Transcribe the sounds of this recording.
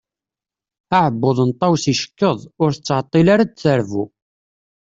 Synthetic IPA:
aʕəbːoðˤənt̪ˤːɑwsiʃə̥kːəðˤʊɾθət͡sːʕət̪ˤːilaɾadθəɾvu

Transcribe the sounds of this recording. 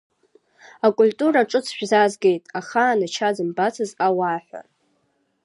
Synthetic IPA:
akʼultʼuɾaʈ͡ʂʼɨt͡sʰʃᶣzazɡe̞jtʼaχaːnat͡ʃʰad͡zɨmbat͡sʰɨzawaħʷᶣa̰

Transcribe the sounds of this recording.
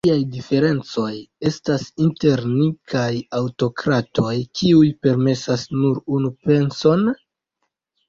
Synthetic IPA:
iajdife̞ɾe̞nt͡so̞je̞stasinte̞ɾnikʰajawto̞kɾato̞jkʰiujpe̞ɾme̞sasnuɾunupe̞nso̞n

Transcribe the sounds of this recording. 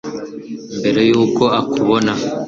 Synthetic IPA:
mbe̞ɾe̞juːko̞akʰuβona

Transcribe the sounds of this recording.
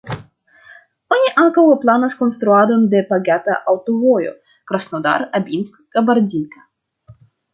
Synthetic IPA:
onʲiʔaŋkawoplanaskonst̪ɾuad̪ond̪epaɡʲat̪aʔawt̪ovojo̰ | kɾasnod̪a̰ɾabʲinskɡabaɾdʲinkḁ

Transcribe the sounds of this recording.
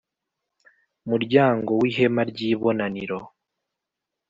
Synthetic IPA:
muɾɟaːŋɡo̞wiɦe̞maɾɟiːβo̞naniɾo̞

